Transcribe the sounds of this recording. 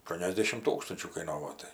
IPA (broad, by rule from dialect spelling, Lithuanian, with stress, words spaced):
ɐˈʃtuɔnʲɛzʲdʲɛʃʲɪm ˈtuːkstɐnʲt͡ʃʲuː kɐɪˈnoːʋoː ˈtɐɪ